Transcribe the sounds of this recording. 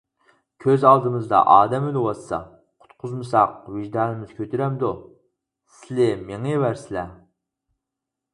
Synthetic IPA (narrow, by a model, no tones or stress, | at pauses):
kʲʰøzɑlˠd̪ɨmɨzd̪ɑ̰ʔɑːd̪ɛmylɪwɑsːɑ̰ | qʰʊ̥t̪qʰʊzmɨsɑqvɪʒd̪ɑːnɪmɪz̥kʲʰøt̪ʰyɾɛmd̪u | sɪlɪmeŋɪvæɾsɪlɛ